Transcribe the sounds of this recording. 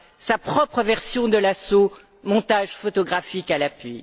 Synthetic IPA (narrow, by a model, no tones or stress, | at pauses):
sapχɔpχəvɛʁsjɔ̃d̪əlaso | mɔ̃t̪aʒfɔt̪ɔɡʁafikalapɥi